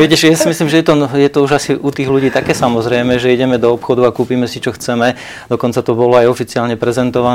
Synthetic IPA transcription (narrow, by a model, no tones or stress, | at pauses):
ʋɛcɛʃjasimislimʒɛjɛt̪ɔjɛt̪ɔuʒasiʔut̪iːɣluɟiːt̪akɛːsamɔzɾɛjmɛʒɛiɟɛmɛd̪ɔɔpxɔd̪uakuːpiːmɛsit͡ʃɔxt͡sɛmɛ | d̪ɔkɔnt͡sat̪ɔbɔlɔajɔfit͡siaːlɲɛpɾɛzɛnt̪ɔʋan